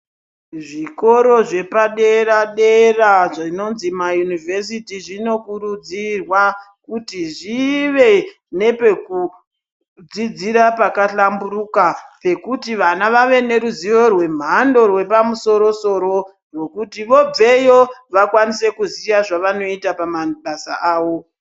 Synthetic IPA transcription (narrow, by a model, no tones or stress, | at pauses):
ʐiko̞ɾo̞ʐe̞paɗe̞raɗe̞raʐno̞nzimajunivʱe̞s̬itiʐino̞kurud͡zirwa | kutiʐiʋe̞ | ne̞pe̞ku | d͡zid͡ziɾapakaɬambuɾukape̞kutiʋanaʋaʋe̞ne̞ɾuziʋo̞rwe̞m̤ando̞rwe̞pamuso̞ɾo̞so̞ɾo̞ | rwo̞kutiʋo̞b͡ve̞joʋakwanise̞kuzijaʐaʋano̞itapamaɓasa̰ʔaːʋo̞